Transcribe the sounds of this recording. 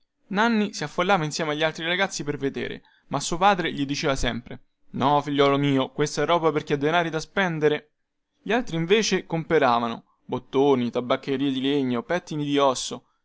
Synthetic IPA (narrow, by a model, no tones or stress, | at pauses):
nanːisiafːolːaːvainsjɛːmeaʎːialt̪ɾiɾaɡat̪sːiperved̪ḛːɾḛ | masːuːopaːd̪ɾeʎid̪it͡ʃeːvasɛmpɾḛ | nɔfiʎːɔːlomiːokwest̪aɛrːɔːbaperk̟ed̪ːenaːɾid̪aspɛnd̪eɾe | ʎialt̪ɾiɱveːt͡ʃekompeɾaːvano̰ | bot̪ːoːnit̪abːakːeɾiːed̪ileɲːopɛt̪ːinid̪iɔsːo